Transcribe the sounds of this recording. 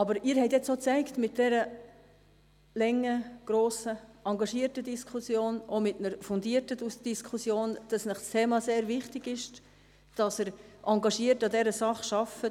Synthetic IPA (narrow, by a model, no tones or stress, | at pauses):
ɑbəɾɪːɾhɛɪtjɛt͡soːt͡sæɪktmɪt̚d̥ɛɾə | lɛŋːəɡ̥ɾoːsəɑŋɡɑʃiːəɾtədiskʰusjoːnʔomɪtnəɾfʊndiətədusd̥iskʰusjoːnd̥ɑsnəχst̪ʰeːmɑseːɾvɪχtɪɡɪʃ | d̥ɑsəɾʔɑŋɡɑʃiətɑdɛɾəsɑχʃɑfə